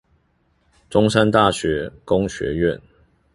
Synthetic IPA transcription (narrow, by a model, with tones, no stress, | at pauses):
ʈ͡ʂʊ˥ŋsa˦nt̪a˥˨ɕɥɛ˨˥kʊ˦ŋɕɥɛ̰˨˥ɥɛ˥˨n